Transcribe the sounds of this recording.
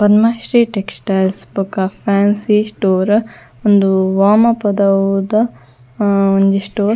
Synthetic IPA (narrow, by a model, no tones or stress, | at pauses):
pɐd̪mɐʃɾiːʈeksʈaːlspukːɐpʰaːnsiːsʈoːɾ | ond̪uʋaːmɐpɐd̪ɐwd̪ɐ | ond͡ʒ̪isʈoːɾ